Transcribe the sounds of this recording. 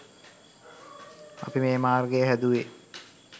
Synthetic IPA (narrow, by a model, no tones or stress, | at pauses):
a̰pimeːmaːrɡejəɦæd̪uʋe